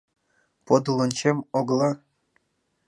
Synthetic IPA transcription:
pod̪ɤ̆lˠɤ̆nʲt͡ɕemoɡlˠɑ

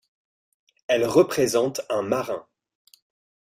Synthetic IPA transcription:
ɛlʁəpχezɑ̃t̪ɛ̃maʁɛ̃

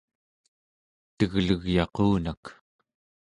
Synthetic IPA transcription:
t̪əɣləɣjɑquːnak

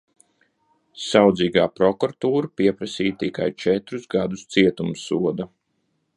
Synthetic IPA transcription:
sawd̪ziːɡaːpɾɔkɔɾat̪uːɾapiɛpɾasiːjt̪ika̰jt͡ʃɛt̪ɾuzɡad̪ust̪siɛt̪umsuɔd̪a

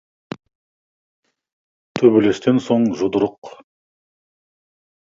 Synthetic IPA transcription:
t̪ʰɵbele̞st̪e̞nso̞ɴʒʊd̪əɾəq

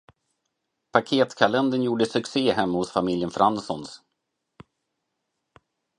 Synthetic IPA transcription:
pʰakʰeːt̪kʰalɛnd̪ənjuːɖəsɵkseːhɛmːahʊsfamɪljənfɾʔansɔns

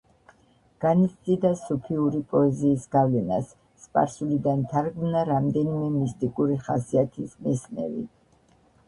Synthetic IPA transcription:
ɡ̥anit̪ssʼid̪asupʰiuɾipʼɔɛziːsɡ̥avlɛnasː | pʼa̰ɾsulid̪ant̪ʰaɾɡmnaɾamd̪ɛnimɛmist̪ʼikʼuɾiχasiat̪ʰismɛsnɛ̰vḭ

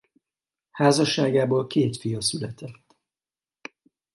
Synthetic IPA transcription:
haːzɒʃːaːɡaːboːlkeːt̪fijɒsylɛt̪ɛt̪ː

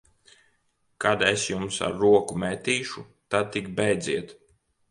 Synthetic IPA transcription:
kad̪esjumsa̰ɾːuɔkumɛt̪iːʃu | t̪ad̪̚t̪ikbɛjd̪zʲiɛt̪

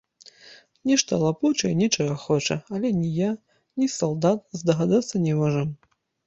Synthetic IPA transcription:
nʲiʂt̪ɐlˠaput͡ʃɐjnʲit͡ʂɔɣɐxɔt͡ʂɐ̰alʲɛnʲija | nʲisɐlˠd̪at̪̚zd̪ɐɣad̪at̪sːɐnʲɛmɔʐɐm

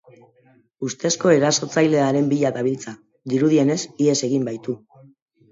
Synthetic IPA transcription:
ust̪e̞sko̞e̞ɾaso̞t͡sajle̞aɾe̞mbiʎaðaβ̞ilt͡sa | d̪iɾuð̞ie̞ne̞sie̞se̞ɣ̞imbajt̪u

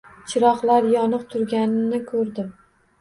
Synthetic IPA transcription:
t͡ʃʰɪɾɒqlˠaɾjɒnɨqt̪ʰʊɾɡʲanɪnɪkʰɵɾd̪ɪm

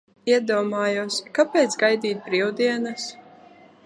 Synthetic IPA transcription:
iɛd̪uɔmaːjuskapɛːt̪sɡajd̪iːt̪̚bɾiwd̪iɛnas

